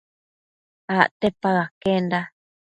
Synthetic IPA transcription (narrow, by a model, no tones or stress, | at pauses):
aʔt̪epaɣakend̪a